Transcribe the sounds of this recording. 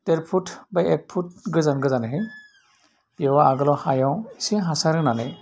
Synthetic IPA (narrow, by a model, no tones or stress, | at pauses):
teɾpʰutʰbajɛk̚pʰut̚ɡɯzanɡɯzanɯɦɯj | bɔwaaɡɯlɔhajɔwsiɦasaɾɯŋnanɯj